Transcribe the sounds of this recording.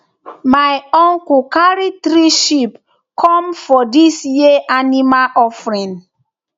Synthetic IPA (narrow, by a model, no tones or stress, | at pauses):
majɔ̃ŋkukaɹitɾiʃip | kʰɔ̃mfɔdisjiʔanimaʔɔfɹĩn